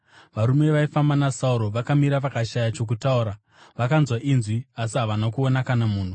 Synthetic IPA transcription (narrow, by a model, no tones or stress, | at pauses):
ʋaɾume̞ʋaifambanasauɾo̞ʋakamiɾaʋakaʃajat͡ʃo̞k̬utauːɾa | ʋakanzwaʔinzwiasiɦaʋanakuo̞nakanamuːn̤u